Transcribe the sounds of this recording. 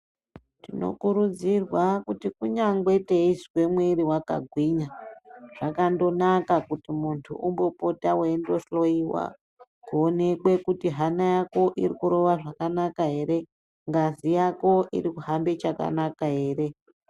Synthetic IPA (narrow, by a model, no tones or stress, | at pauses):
tino̞̰kuɾud͡zirwakutikuɲaŋɡweteizikwe̞mweɾiwaka̰ɡʱwiɲaʐ̥akando̞nakakutimuntʰuʔumbo̞po̞tawendo̞slo̞iwa̰ | kuone̞kwe̞kutiɦanajako̞ʔirikuɾo̞ʋaʐakanakaɦe̞ɾe̞ | ŋɡazijako̞ʔḭɾikuɦambe̞t͡ʃaka̰nakaɦe̞ːre̞